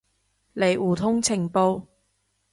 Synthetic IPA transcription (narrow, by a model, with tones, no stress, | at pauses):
le˨˩juː˨˩t̪ʰʊ˥ŋt͡sʰɪ˨˩ŋpo˧w